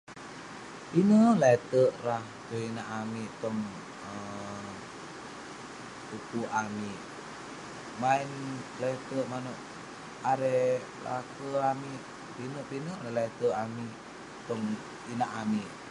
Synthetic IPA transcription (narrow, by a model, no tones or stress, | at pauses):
pinəlat̪əʔraht͡ʃoinaʔamiʔt̪ɔŋ | ə | put̪uʔamiʔ | maɪnlat̪əʔmanəʔ | aɾɛ | la̰kəamiʔ | pinəʔpinəlalaɛt̪əʔamiʔ | t̪ɔŋ | inaʔamiʔ